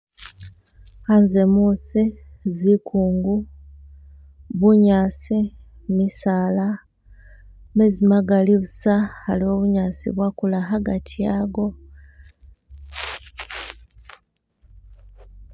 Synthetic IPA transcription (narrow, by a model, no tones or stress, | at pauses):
hanze̞musizikʰuːŋɡu | βuɲaːsi | misaːla | mezimaɡaliβusahalio̞βuɲaːsḭβwakulaɦaɡatʰijaɡo̞